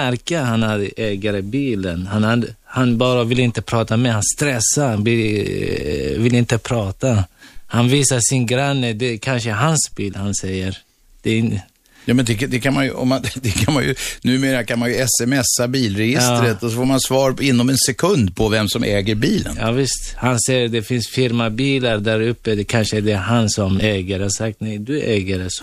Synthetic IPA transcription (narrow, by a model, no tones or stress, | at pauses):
æɾkahanaɾɛːɡaɾəbiːlənhanhahanbɑːɾavɪlɪnt̪əpʰɾɑːt̪amɛhanst̪ɾɛsːanbɪ | vɪlɪnt̪əpʰɾɑːt̪ahanviːsaʂɪnɡɾanːəd̪ɛkʰanʂəɦansbiːlhansɛjːəɾ | d̪̥ɛ | jɑːmɛnd̪ɛd̪ɛkʰanmanjɔ̰mːand̪ɛkʰanmanjɵ̰nʉ̟ːmeːɾakʰanmanjɵɛsɛmɛsːabiːlɾɛjɪsɑːt̪ɾət̪ɔsɔfoːɾmansvɑːɾɪnːɔmɛnsɛkʰɵnd̪pʰɔvɛmsɔmʔɛ̰ːɡəɾbiːlə̰njɑːvɪst̪hansɛjːəɾd̪ɛfɪnsfɪɾmabiːlaɾd̪æɾɵpːəd̪ɛkʰanʂəd̪ɛɦansɔmɛːɡəɾhasak̚t̪nɛjd̪ɵʔɛːɡəɾɛs